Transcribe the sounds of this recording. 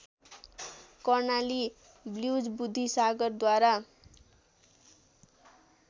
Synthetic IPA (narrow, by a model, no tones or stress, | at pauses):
kʌrnali | bljud͡zbud̪ʱːisaɡʌrd̪waɾa